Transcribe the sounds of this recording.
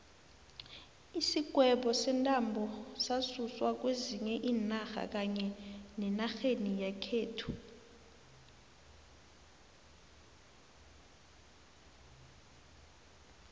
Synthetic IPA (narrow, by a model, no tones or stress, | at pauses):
isiɡ̥ʱwɛɓɔsɛntʼambʱɔsasuswak̬weziɲɛʔiːnaxa̰k̬aɲɛnɛnaxenijakʰeːtʰu̥